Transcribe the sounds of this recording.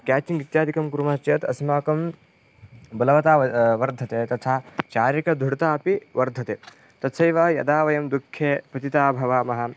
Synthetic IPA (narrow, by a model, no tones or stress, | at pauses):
kaːt͡ʃiŋɡit̪jaːd̪ʱikɐmkuɾumaːt͡ʃjɐt̪ɐsmaːkɐm | bɐlɐʋɐt̪aːʋɐɾd̪ʱɐt̪eːt̪ɐt̪ʰaːt͡ʃaːɾjɐkɐd̪ʱuɽt̪aːpiʋɐɾd̪ʱɐt̪eː | t̪ɐt̪sɐjʋaːjɐ̰d̪aːʋɐjɐmd̪ukʰjeːpɐt̪it̪aːbʱɐʋaːmɐɦɐ̆